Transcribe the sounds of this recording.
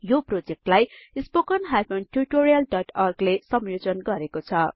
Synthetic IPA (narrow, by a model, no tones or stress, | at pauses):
joprod͡zek̚ʈlajispokʌnɦajpʰonʈurʈoɾijʌlɖʌʈʰʌrɡlesʌmjod͡zʌnɡʌɾekot͡sʰʌ